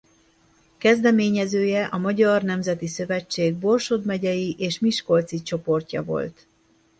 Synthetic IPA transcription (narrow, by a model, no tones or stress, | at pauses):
kɛzd̪ɛmeːɲɛzøːjɛʔɒmɒɟɒrnɛmzɛt̪isø̞vɛt͡ʃːeːɡ̚bo̞rʃod̪mɛɟɛjiʔeːʃmiʃko̞lt̪sit͡ʃo̞po̞rcɒ̰vo̞̰lt̪